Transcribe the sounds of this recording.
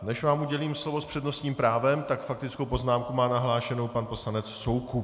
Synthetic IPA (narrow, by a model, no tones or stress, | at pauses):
nɛʃvaːmʔuɟɛliːmslo̞vo̞spr̥ɛdno̞st̪ɲiːmpɾaːvɛmt̪akfak̚t̪ɪt͡skowpo̞znaːmkumaːnaɦlaːʃɛno̞wpanpo̞slanɛt͡sso̞wku